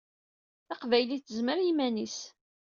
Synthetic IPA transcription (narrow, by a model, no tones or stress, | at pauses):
θɑqvæjliθəzməɾimænis